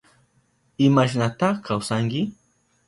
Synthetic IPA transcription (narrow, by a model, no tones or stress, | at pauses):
ɪmaʃ̬nat̪ɑχkʰawsaŋkɪ